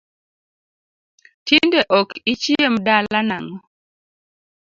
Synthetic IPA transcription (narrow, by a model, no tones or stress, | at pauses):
tindeʔɔkit͡ʃjemdalanaŋɔ